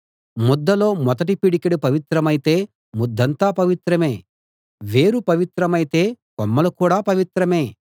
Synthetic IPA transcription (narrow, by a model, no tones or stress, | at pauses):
mɔd̪ːɐlo̞ːmɔd̪ɐʈ̬ipiɽikeɽupɐʋit̪ɾɐmɐjit̪e̞ː | mɔd̪ːɐnt̪aːpɐʋit̪ɾɐme̞ː | ʋe̞ːɾupɐʋit̪ɾɐmɐjit̪e̞ːkɔmːɐlukuːɽaːpɐʋit̪ɾɐme̞ː